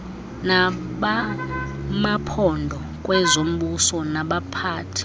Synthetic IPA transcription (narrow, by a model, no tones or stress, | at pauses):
naɓa | mapʰɔndʱɔ | kʼwɛzom̩ɓusɔnaɓapʰaːtʰi̥